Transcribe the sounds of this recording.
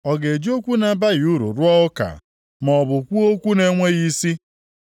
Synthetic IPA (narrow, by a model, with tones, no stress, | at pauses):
ɔ˨ɡe˨d͡ʒi˦o˦kʷu˦na˨˦ba˦ɣu˦ɾṵ˨ɾʊ˦ɔ˦ʊ˦ka̰˨ | mɔ˨bʊ˨kʷu˦o˦kʷu˦ne˦ŋʷe˦ɣi˦si˦